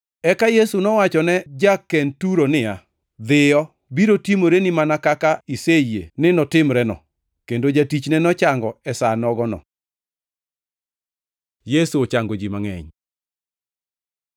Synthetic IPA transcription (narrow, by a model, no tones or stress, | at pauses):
ɛkajesunɔwat͡ʃɔnɛd͡ʒakːɛntuɾonɪja | d̪ɪjɔ | biɾotimoɾenimanakakaiseienɪnɔtɪmɾɛnɔ̰ | kendod͡ʒatit͡ʃnɛnɔt͡ʃaŋɡɔɛsanɔɡɔnɔ̰ | jesuot͡ʃaŋɡod͡ʒimaŋɛ̰ɲ